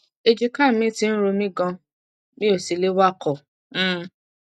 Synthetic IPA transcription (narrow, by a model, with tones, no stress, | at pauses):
e˧d͡ʒi˧ka˦˨mĩ˦ti˧˦n̩˦ɾo˧mĩ˦ɡã˧ | mĩ˦o˦˨si˨le˦wa˦˨kʰɔ˨˦˨